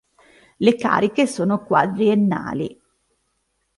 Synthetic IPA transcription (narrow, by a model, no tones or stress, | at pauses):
leka̰ːɾikesoːnokwa̰d̪ɾienːa̰ːlḭ